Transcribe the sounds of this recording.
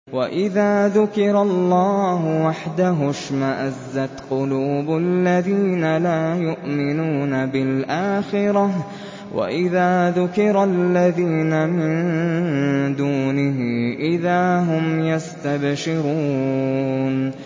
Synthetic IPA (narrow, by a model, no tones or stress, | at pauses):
waʔɪðaːðʊkɪɾˤɑlˤːɑːɦʊwaħd̪aɦʊʃmaʔazːat̪qʊluːblːaðiːnalaːjʊʔmɪnuːnabɪlʔaːxɪɾˤɑ | wa̰ʔɪðaːðʊkɪɾˤalːaðiːnamɪn | d̪uːnɪɦɪʔɪðaːɦʊmjast̪abʃɪɾuː | n